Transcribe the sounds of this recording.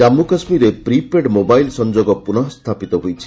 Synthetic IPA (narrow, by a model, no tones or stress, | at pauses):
amːukasmiɾepɾipeɖmobajlsɔnd͡ʒoɡɔpunɔɦɔst̪ʰapit̪ɔɦojt͡ʃʰi̥